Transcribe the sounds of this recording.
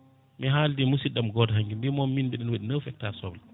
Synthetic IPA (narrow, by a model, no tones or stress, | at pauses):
miɦaːldimusiɗamɡɔdɦaŋɡimbimɔmːinɓɛɗɛnwaɗinəwfɛk̚tasɔbl